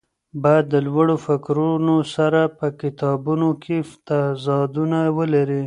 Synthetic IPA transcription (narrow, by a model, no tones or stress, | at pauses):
bɑjad̪ːəlwaɽofakɾunosaɾapəkɪt̪ɑbunokʰeft̪azɑd̪unawəlaɾi